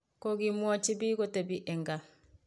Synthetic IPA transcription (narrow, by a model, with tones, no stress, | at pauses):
ko˦ɡi˨mwɔ˦t͡ʃi˦bi˦ɡo˦te˨bi˦ʔɛ˨ŋɡa˨